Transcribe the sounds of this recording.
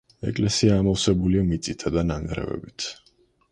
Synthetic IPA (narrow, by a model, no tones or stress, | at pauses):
ɛ̰kʼlɛsiaːmɔlsɛbuliamit̪sʼit̪ʰad̪anaŋɡɾɛ̰vɛ̰bit̪ʰ